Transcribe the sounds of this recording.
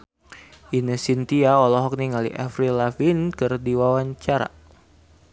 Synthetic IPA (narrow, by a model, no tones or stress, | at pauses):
ʔinəsint̪iaɔlɔɦɔk̚niŋalḭʔafɾilafinkɨrdiwawaɲt͡ʃaɾa̰